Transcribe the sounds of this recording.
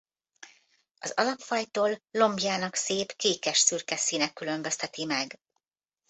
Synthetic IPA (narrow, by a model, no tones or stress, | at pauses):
ɒ̰zɒ̰lɒpfɒjt̪oːlːo̞mbjaːnɒkseːpkeːkɛʃsyrkɛsiːnɛkːylø̞mbø̞st̪ɛt̪imɛɡ